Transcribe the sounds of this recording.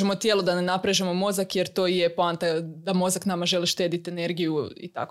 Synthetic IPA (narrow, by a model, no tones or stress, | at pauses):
emo̞t̪jelˠod̪anenapɾeʒemo̞mo̞zakjeɾt̪o̞jepˠaːnt̪ad̪amo̞zaknamaʒe̞liʃt̪e̞ːd̪it̪e̞ne̞ɾɡijuḭt̪a̰k